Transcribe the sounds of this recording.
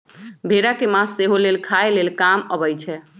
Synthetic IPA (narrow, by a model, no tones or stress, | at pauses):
bʱeɾakemãsːeɦolelkʰaelelkaməbəjt͡ʃʰɛ